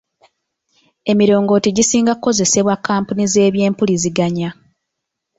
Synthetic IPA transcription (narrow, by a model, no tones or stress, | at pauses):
e̞miɾo̞ːŋɡo̞ːtiɟisiːŋɡakukːo̞ze̞se̞βwakːaːmpunize̞ːβje̞ːmpuliziɡaɲa